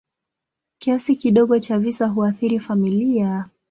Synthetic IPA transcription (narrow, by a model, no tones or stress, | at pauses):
kiasikiɗɔɠɔt͡ʃavisaɦuaθiɾifamilia